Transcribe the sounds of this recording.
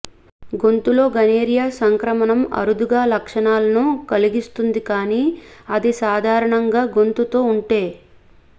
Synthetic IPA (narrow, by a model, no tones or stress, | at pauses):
ɡo̞nt̪ulo̞ːɡɐneːɾijaːsɐŋkɾɐmɐnɐmɐ̰ɾud̪uɡaːlɐkʂɐɳaːlɐnukɐliɡist̪und̪ikaːniːɐd̪isaːd̪ʱaːɾɐɳɐŋɡaːɡo̞nt̪ut̪o̞ːuɳʈe̞ː